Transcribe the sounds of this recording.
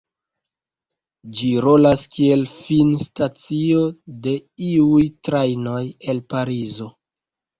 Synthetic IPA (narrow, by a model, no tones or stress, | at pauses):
d͡ʒiɾo̞laskʰie̞lfinstat͡sio̞de̞iujtɾajno̞je̞lpaɾizo̞